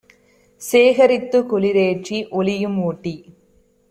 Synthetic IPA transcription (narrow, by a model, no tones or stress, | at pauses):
seːɣɐɾɪt̪ːɯkɔlɪɾeːʈ̚t͡ʃiʔɔlɪjɯmuːʈːi